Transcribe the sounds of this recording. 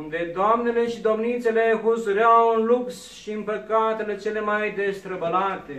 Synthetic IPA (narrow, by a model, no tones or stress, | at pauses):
und̪ed̪oamnele̞ʃid̪o̞mnit̪sele̞ɦusuɾeawɨnlups | ʃiɨnpəkat̪ele̞t͡ʃe̞le̞majd̪e̞st̪ɾəbəlat̪e̞